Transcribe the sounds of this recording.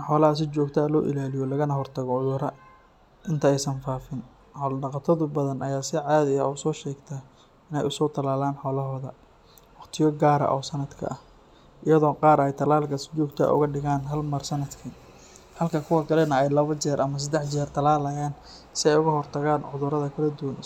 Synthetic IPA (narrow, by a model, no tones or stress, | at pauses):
ħɔːlɐɦɐs̬ɪt͡ʃɔːɡt̪ʰaːlɔːʔɪ̰laːlɪjɔlɐɣɐnɐɦɔrt̪ʰɐɣɔʕʊðʊɾɐ | ʔɪnt̪ʰɐɛjsɐnfaːfɪn | ɔlɖɑqɑt̪ʰɐðʊbɐðɐnʔɐjaːsɪʕaːðɪjɐsɔːʃɛːɡt̪ʰa | ɪnɛjʊsɔːt̪ʰɐlaːlaːnħɔːlɐɦɔːðɐ | wɑqt̪ʰɪjɔɡaːɾɐ̰ʔɔːsɐnɐd̪kʰɐ̰ʔɐh | ʔɪjɐðɔːqɑːɾɛjt̪ʰɐlaːlkʰɐsɪ̥t͡ʃuːɡt̪ʰa̰ːʔʊ̰ɣɐɖɪɣaːnɦɐlmɐrsɐnɐd̪kʰɐ | hɐlkʰɐkʰʊwɐkʰɐlɛnɐɛjlɐβɐt͡ʃɛːɾʔɐmɐs̬ɐd̪ɛħt͡ʃɛːrt̪ʰɐlaːlɐjaːn | sɪɛjʊɣɐɦɔrt̪ʰɐɣaːnʕʊðʊɾɐðɐkʰɐlɐd̪ʊwɐn